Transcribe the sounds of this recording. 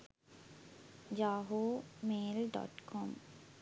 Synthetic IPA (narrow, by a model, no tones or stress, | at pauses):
d͡ʒaːɦoːmeːlɖɔ̰ːʈkʰɔm